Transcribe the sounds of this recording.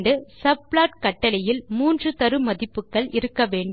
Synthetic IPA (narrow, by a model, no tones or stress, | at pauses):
d̪ɯsɐbɭaːʈkɐʈːɐlɐjɪlmuːndrɯt̪ɐɾɯmɐðɪpːɯkːɐɭɪɾɯkːɐʋeːɳɖ